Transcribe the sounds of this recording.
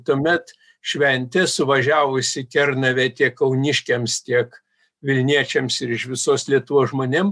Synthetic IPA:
t̪uɔmʲɛt̪ | ʃʲʋʲɛnʲt̪ʲɛsʊʋɐʒʲæːʋʊsʲɪkʲɛrnɐʋʲɛt̪ʲiɛkkɐʊnʲɪʃʲkʲɛmst̪ʲiɛk | ʋʲɪlʲnʲiɛt͡ʃʲɛmsɪɾɪʃʋʲɪsoːslʲiɛt̪ʊʋoːsʒmoːnʲem

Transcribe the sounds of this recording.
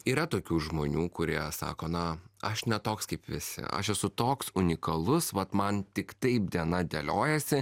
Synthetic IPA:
iːɾɐt̪oːkʲuːʒmoːnʲuːkʊɾʲiɛsɑ̰ːkoːnɐɐʃnʲɛt̪oːkskɐɪpʋʲɪsʲɪ̰ʔɐ̰ʃɛsʊt̪oːksʊnʲɪkɐlˠʊsʋɐt̪mɐnt̪ʲɪkt̪ɐɪp̚d̪ʲiɛnɐd̪ʲɛlʲoːjɛsʲɪ

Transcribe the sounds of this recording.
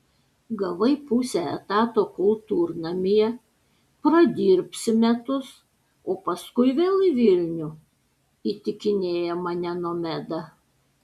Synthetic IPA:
ɡɐʋɐɪpʊsʲɛɛ̰t̪ɑːt̪oːkʊlˠt̪uːɾnɐmʲɪjɛ | pɾɐd̪ʲiːɾʲpʲsʲɪmʲɛt̪ʊs | oːpɐskʊɪʋʲeːlˠɪʋʲɪlʲnʲʊ | iːt̪ʲɪkʲɪnʲeːjɛmɐnʲɛnoːmʲɛd̪ɐ

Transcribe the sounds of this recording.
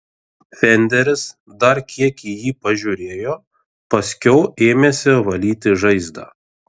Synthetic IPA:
fʲɛnʲd̪ʲɛɾʲɪs | d̪ɐɾkʲiɛkiːjiːpɐʒʲuːɾʲeːjoː | pɐsʲkʲɛʊeːmʲeːsʲɪʋɐlʲiːt̪ʲɪʒɐɪzd̪ɑ̰ː

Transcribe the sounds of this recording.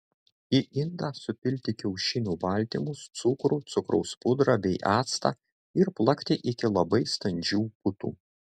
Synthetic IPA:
jɪʔɪnd̪ɑsʊpʲɪlʲt̪ʲɪkʲɛʊʃʲɪnʲuːbɐlʲˑt̪ʲimʊst̪sʊkɾut̪sʊkɾɔʊspʊd̪ɾɑbʲɛɪʔɑːt̪st̪ɑ̰ː | ɪɾplˠɐkʲt̪ʲɪʔɪkʲɪlˠɐbɐɪst̪ɐnʲd͡ʒʲuːpʊt̪ṵː

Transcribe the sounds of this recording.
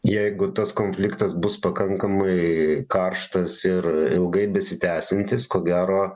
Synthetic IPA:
jɛɪɡʊt̪ɐskoːnʲfʲlʲɪkt̪ɐsbʊspɐkɐŋkɐmɐɪkɐrʃt̪ɐsɪrɪlˠɡɐɪbʲɛsʲɪt̪ʲæːsʲɪnʲt̪ʲɪskoːɡʲæːɾoː

